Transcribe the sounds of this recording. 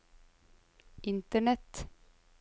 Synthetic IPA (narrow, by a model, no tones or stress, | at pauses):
ʔɪnt̪əɳɛt̪